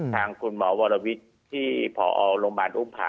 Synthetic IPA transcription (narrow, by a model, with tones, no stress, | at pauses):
t̪ʰaː˧ŋkʰu˧nmɔː˩˦wɔː˧la˧wi˦˥t̪̚ʰːiː˥˩pʰɔː˨˩˦ʔɔː˧wloː˧ŋbaː˨˧nʔuː˦˥˩mpʰa̰ː˨˦